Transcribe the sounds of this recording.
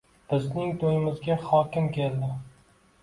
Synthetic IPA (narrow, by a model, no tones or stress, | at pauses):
b̥ɪznɪŋt̪ʰojɪmɪzɡʲaχɒkʲɪmkʲelˠd̪ɪ